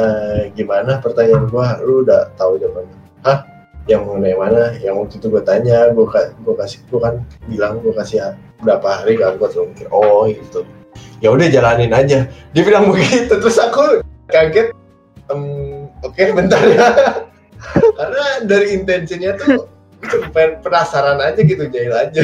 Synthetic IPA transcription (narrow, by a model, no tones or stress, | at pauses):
əɡimanapərt̪aɲaːnɡuaɦludaʔt̪aud͡ʒaman | hah | jaŋməŋənajmanajaŋmut̪it̪uɡuat̪aɲaɡuakaɡuakasɪ̥kukanbilaŋɡuakasɪa | bɾapaɦaɾikanɡuat̪mikɪnɔɡit̪ujaudahd͡ʒalanɪnad͡ʒadiafilaŋbəɡit̪ut̪əɾʊsakukaɡɪt̪̚ | əmokebənt̪arja | karənadaɾiːnt̪ɛnsinɲat̪u | ɡisəpapənasaɾanad͡ʒaɡit̪ud͡ʒaɪlad͡ʒa